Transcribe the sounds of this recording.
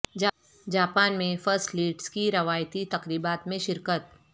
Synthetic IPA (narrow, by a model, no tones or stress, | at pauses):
d͡ʒ | d͡ʒaːpaːnmẽfəɾsʈliːʈskiɾɐʋaːjt̪it̪ɐqɾiːbaːt̪mẽʃɪɾkət̪